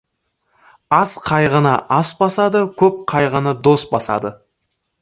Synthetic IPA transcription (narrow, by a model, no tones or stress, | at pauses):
ɑsqʰɑjʁənɑʔɑsbɑsɑd̪əkʲʰɵp̚qʰɑjʁənəd̪o̞sbɑsɑ̰d̪ə